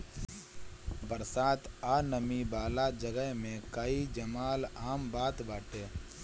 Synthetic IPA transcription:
bəɾsaːt̪ʰaːnəmibaːlad͡ʒəɡəɦmẽkəid͡ʒɐmaːlaːmbaːt̪baːʈeː

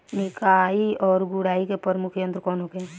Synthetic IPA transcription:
nɪkaːiɔːɾɡʊɽaːikepəɾmʊkʰjə̃nt̪ɾəkɔːnɦokeɛ̃

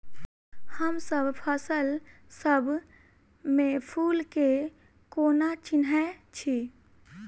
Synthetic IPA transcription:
həmsəbpʰəsəl | səbʱ | mẽpʰuːlke | koːnat͡ʃɪnɦɛt͡ʃʰi

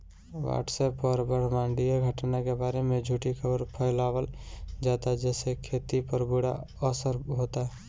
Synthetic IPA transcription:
ʋa̰ːʈsɛːpɔɾbəɽ̤mãːɳɖijeɡʱəʈnakebaːɾemẽd͡ʒʱuʈikʰəbəɾpʰəɪlaːwəld͡ʒaːt̪ad͡ʒɛːsekʰeːt̪ipəɾbuɽa | ɔsəɾɦoːt̪aɦɛ

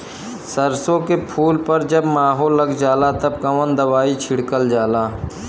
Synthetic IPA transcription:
səɾsõkepʰuːlpəɾd͡ʒəbmaːɦoːlːəɡd͡ʒaːlat̪əbkəʋənd̪əʋaːit͡ʃʰɪɽkəld͡ʒaːlaː

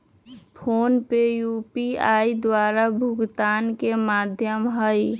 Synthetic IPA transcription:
pʰonpejupiaid̪waɾabʱʊɡt̪aːnkemad̪ʱjəmɦəj

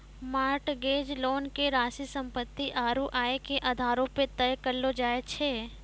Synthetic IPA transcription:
maːɾʈɡeːd͡ʒloːnkeɾaːsisə̃mpət̪ːiʔaːɾuʔaːekeʔɐd̪ʱaːɾõpet̪əjkəlːod͡ʒaːet͡ʃʰeː

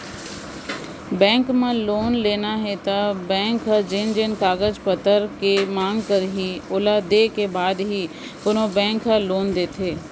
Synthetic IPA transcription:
bɛ̃ːŋkmẽloːnleːnaɦɛt̪abɛ̃ːŋkɦad͡ʒɪnd͡ʒɪnkaːɡəd͡ʒpət̪əɾkemãːŋɡkəɾɦiʊlad̪eːkebaːd̪ɦi | pʊnobɛ̃ːŋkəloːnd̪eːt̪ʰeː

